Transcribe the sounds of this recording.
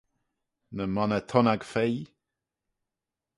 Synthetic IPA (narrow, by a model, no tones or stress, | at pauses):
nəmɔnɛt̪ʰɔnaɡfej